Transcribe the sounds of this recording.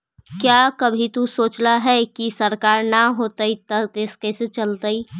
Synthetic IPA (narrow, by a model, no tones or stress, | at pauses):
kjakəbʱit̪usoːt͡ʃlaɦɛkisəɾkaːɾnaɦoːt̪ait̪ɐt̪eskɛset͡ʃəlt̪ai